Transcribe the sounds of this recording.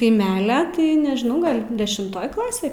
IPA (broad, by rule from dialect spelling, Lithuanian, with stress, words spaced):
kɐɪˈmʲæːlʲɛ tɐɪ nʲɛʒˈnɐʊ ˈɡɐlʲ dʲɛʃʲɪmˈtoːj ˈklˠɑːsʲeː